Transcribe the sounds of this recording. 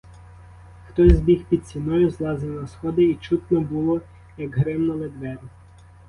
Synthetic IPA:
xt̪ɔzʲzʲbʲixpʲid̪̚sʲinɔjʊzlˠɑzɪnɔsxɔd̪ɪit͡ʃut̪nɔbulˠɔ | jɐɡɦɾɪmnɔlˠed̪ʋɛɾʊ

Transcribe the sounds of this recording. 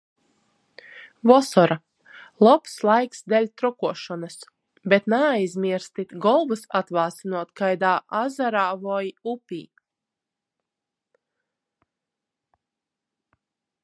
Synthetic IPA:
vɔsɔɾa | lˠɔpslˠajksd̪ɛlʲt̪ɾɔkuɔʃɔnas | bet̪naːjzmʲiɛɾst̪it̪ʲɡɔlˠvɨsat̪vaːsinuɔt̪kajd̪aːʔazaɾaːvɔjupʲḭː

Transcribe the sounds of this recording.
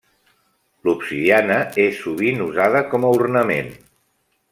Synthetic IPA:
lupsiianəesːuβ̞inuzaðəkɔməurnəmḛn

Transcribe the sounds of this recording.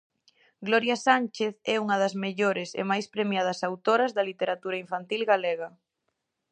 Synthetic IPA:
ɡlɔɾjasanʲt͡ʃeθɛuŋɐðɐzmeʎoɾɪsḛmajspɾemjað̞ɐsawt̪oɾɐzðɐlit̪eɾat̪uɾɐiɱfant̪ilɣaleɣɐ

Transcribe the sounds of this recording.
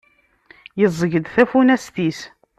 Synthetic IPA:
jəzˤəʝəd̪θæfunæst̪is

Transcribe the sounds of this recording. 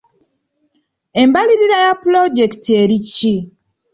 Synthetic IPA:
embaliɾiɾajaploɟektieɾicːi

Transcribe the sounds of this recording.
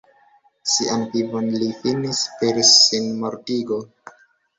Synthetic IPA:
siʔanpivonlifinispeɾsːinmoɾtiɡo

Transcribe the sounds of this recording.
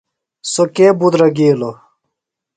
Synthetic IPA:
sokebud̪ɾɐɡiːlo

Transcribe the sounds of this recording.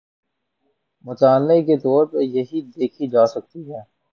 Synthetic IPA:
mʊt͡ʃaːlːek̬et̪ɔːɾpɐɾjɐɦid̪eːkʰid͡ʒaːsɐk̚t̪iɦɛː

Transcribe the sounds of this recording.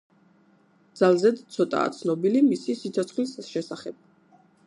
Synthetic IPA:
d̪z̥alˠzɛd̪t̪sʰɔt̪ʼa̰ːt̪sʰnɔbilimisisit̪sʰɔt̪sʰχlisʃɛsaχɛb̥̚

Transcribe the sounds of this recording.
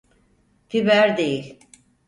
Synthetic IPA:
fibæɾd̪ejilʲ

